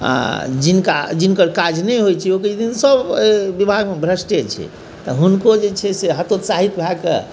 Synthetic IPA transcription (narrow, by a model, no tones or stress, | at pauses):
a̰d͡ʒinka̰d͡ʒinkəɾkad͡ʒnɛjɦojt͡ʃʰiokət͡ʃd̪insəbebibʱaɡmebʱɾəsʈet͡ʃʰḭ | t̪ɔɦunkod͡ʒet͡ʃʰɛseɦət̪ot̪saɦit̪bʱakḛ